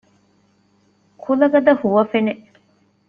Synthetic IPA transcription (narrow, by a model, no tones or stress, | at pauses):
kʰulɐɡɐd̪ɐhuʋɐfeneʔ